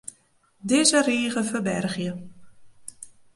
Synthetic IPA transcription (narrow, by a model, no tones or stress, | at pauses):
dɪzəriːɣəfərbɛrɣjə